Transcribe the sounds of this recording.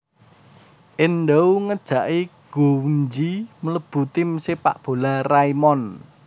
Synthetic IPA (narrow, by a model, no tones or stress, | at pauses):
ʔɪnɖawŋəd̥ʒ̥ä̤ʔiɡ̥ouɲd͡ʒimələb̥ṳt̪ɪmsɪpa̰ʔb̥o̤laraimɔn